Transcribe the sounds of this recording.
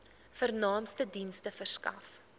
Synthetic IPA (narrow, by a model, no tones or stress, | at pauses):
fərnɑːmstədinstəfərskɐ̰f